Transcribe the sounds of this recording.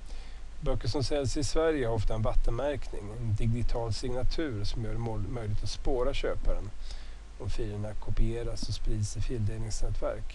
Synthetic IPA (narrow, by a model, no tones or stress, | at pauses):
bœkːəʂɔmsɛlsɪsvæɾjəhaɾɔft̪aɛnvat̪ːənmæɾknɪ̰ŋɔɛnd̪ɪɡɪt̪ʰɑːlsɪŋnat̪ʰʉ̟ːɾʂɔmjœːɖɛmœʏjlɪɡ̚t̪at̪spoːɾaɕøːpaɾən | ɔmfiːɾəɳakʰʊpɪeːɾasɔspɾiːd̪sɪfɪld̪eːlnɪŋsnɛːt̪ʰvæ̰ɾk